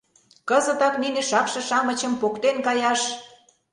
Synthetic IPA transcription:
kəzə̆t̪ɑknineʃɑkʃɤ̆ʃɑmə̆t͡ɕə̆mpokt̪enkɑjɑʃ

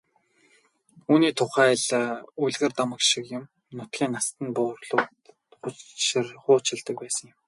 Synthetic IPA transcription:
uːniːt̪ʰʊχæːɮuɮɣɘ̆rt̪amə̆kʃikjʊ̆m | nʊt̪ɡʲiːnːast̪ə̆npʊːrɮʊːt̪ | χʊrχʊːt͡ɕʰɪ̆ɮt̪ə̆k̚pæːsə̆ŋjɪ̆m

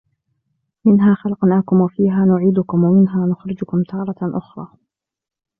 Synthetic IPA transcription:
mɪnɦaːxalqnaːkʊmwafiːɦaːnʊʕiːd̪ʊkʊmwamɪnɦaːnʊxɾɪd͡ʒʊkʊmt̪ʰɑːɾˤɑʔʊxɾˤɑː

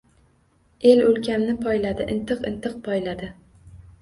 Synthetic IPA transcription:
e̞lɵlkʲʰamnɪpʰɒjlad̪ɪʔɪnt̪ʰɨqɨnt̪ʰɨq̚pʰɒjlad̪ɪ

